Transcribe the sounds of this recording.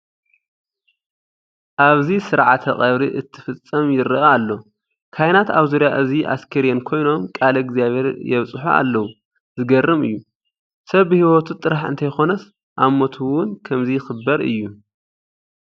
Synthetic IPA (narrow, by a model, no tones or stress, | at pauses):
ʔaβzisɨɾʕat̪ʰɐχʼɐβɾiʔɨt̪ʰːɨ̥fɨt͡sʼːɐmjɪɾɨʔaalːo̞ | kʰajnat̪aβzuɾjaʔɨziʔa̰skʰɐɾiɐnkʰo̞jno̞mkʼalɐɡzijaβʱhe̞ɾjɛβt͡sʼħṵa̰lːɐwu | zɨɡɐrːɨmɨ̰jːu | sɐβbɨhiwot̪ʰut̪ʼɨɾaħɨ̰nt̪ʰɐjxo̞nɐs | ʔamot̪ʰuwʊnkʰɐmzijɪxɨbɐɾɨ̰jːu